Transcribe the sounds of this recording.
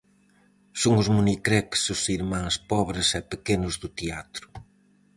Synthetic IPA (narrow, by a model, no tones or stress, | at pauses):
soŋʊzmunikɾɛksʊsiɾmãŋspɔβɾɪsɛpekenʊzðʊt̪eat̪ɾʊ̥